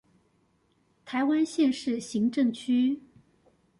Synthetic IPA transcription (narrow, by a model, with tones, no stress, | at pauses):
t̪ʰa˧˥ɪwa˥nɕjɛ˥˧nʂɻ̩˥˩ɕi˧˥ŋʈ͡ʂɤ˥˩ŋt͡ɕʰy˥